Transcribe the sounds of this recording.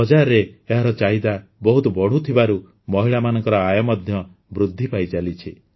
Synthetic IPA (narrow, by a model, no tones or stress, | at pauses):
ɔd͡ʒaɾeeɦaɾɔt͡ʃaɦid̪abɔɦut̪ɔbɔɽ̤ut̪ʰibaɾu | mɔɦiɭamanɔŋkɔɾɔajɔmɔd̪ʱjɔ | bɾud̪ʱːipajd͡ʒalit͡ʃʰi